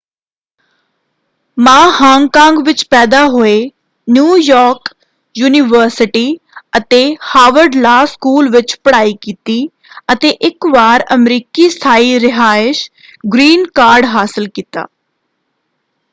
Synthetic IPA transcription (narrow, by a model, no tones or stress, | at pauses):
mãːhãːŋkãːŋɡʋɪt͡ʃpɛːd̪aːɦoeː | njuːjɔːɾk | juːnɪʋəɾsɪʈiː | ət̪eːhaːʋəɾɖlaːskuːlʋɪt͡ʃpəɽaːiːkiːt̪iː | ət̪eʔɪkʋaːɾəmɾiːkist̪ʰaːiːɾɪɦaːɪʃ | ɡɾiːnkaːɾɖɦaːsɪlkiːt̪a̰ː